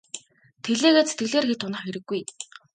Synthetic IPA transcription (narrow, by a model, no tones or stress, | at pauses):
t̪ʰeɮeːɣeːt͡sʰet̪̚ɡɘ̆ɮeːrxet̪ʰʊnə̆χxeɾɘ̆ɡːuj